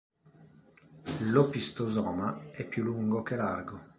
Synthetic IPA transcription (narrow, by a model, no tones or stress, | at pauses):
lopist̪ozɔːmaɛpːjuluŋɡok̟elarɡo